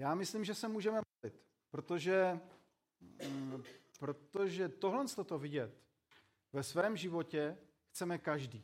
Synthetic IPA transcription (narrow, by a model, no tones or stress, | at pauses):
jaːmɪslimʒɛsɛmuːʒɛmɛmolɪt̪ | pɾo̞t̪o̞ʒɛ | pɾo̞t̪o̞ʒɛt̪oɦlɛnst̪o̞t̪o̞vɪɟɛt̪ | vɛsvɛːmʒɪvo̞cɛ | xt͡sɛmɛkaʒdiː